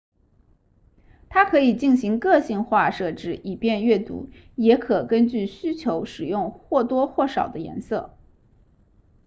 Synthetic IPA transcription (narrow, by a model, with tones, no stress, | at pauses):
t̪ʰa˥kʰɤ˧˥i˨˩t͡ɕi˥˩nɕi˧˥ŋkɤ˥˧ɕi˥˧ŋxwa˥˧ʂɤ˥˩ʈ͡ʂɻ̩˥ʔi˨˩pjɛ˥˧nɥɛ˥˩t̪ṵ˧˥ | jɛ˧˥kʰɤ˨˩kə˥nt͡ɕy˥˩ɕy˥t͡ɕʰjo˧˥ʊʂɻ̩˨˩jʊ˥˧ŋxwɔ˥˩t̪wɔ˥xwɔ˥˩ʂɑ˨˩ʊd̪ə˦jɛ̰˧˥nsɤ̰˥˩